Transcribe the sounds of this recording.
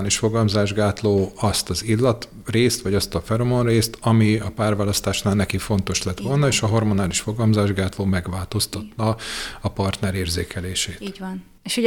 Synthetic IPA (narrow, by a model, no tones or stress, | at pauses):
liʃfo̞ɡɒlmzaːʒɡaːt̪loːɒst̪ɒzilːɒt̪ | reːst̪ʋɒɟɒst̪ɒfɛɾomonreːst̪ɒmiɒpaːrvaːlɒst̪aːʃnaːlnɛkifo̞n̪t̪o̞ʃlɛt̪ʋo̞lnɒeːʃɒɦo̞rmo̞naːliʃfo̞ɡɒlmzaːʒɡaːt̪loːmɛɡʋaːlt̪o̞st̪ɒt̪ːɒɒpɒrt̪nɛɾeːrzeːkʰɛleːʃeːt̪ːn | eʃo